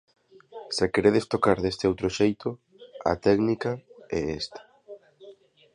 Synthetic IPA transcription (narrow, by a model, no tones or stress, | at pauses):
sakeɾeðest̪okaɾðest̪eɪowt̪ɾoʃejt̪ʊ | a̰t̪ɛknikaɛest̪ḁ